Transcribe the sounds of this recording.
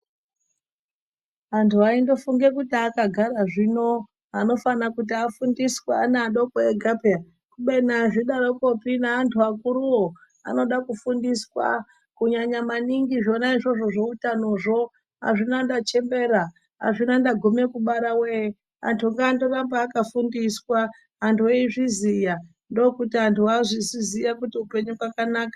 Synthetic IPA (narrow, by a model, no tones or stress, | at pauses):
antʰuaindo̞fuŋɡe̞kutiakaɡʱaɾaʐino̞ | ano̞fanakut̬iafundiswaneaɗokoeɡʱapea | kuɓenaʐiɗaɾoko̞pinaːntʰuakuɾuwo | a̰no̞ɗakufundiswa̰ | kuɲaɲamaniŋɡiʐo̞naiʐo̞ʐo̞ʐo̞utanoʐo̞ | a̰ʐinandat͡ʃe̞mbe̞ɾa | a̰ʐinandaɡʱome̞kuɓaɾawe | a̰ntʰuŋɡaːndorambaːkafundiswaː | ntʰueiʐizija | ndo̞kutiantʰuaʐizizijakutiupe̞ɲukwakanaːkḁ